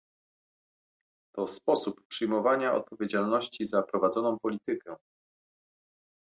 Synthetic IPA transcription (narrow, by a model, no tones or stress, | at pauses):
t̪ɔspɔsuppʂɘjmɔvaɲaɔ̰t̪̚pɔvʲjed͡ʑalnɔɕt͡ɕizapɾɔvad̪zɔnɔ̃w̃pɔlʲit̪ɘkʰɛ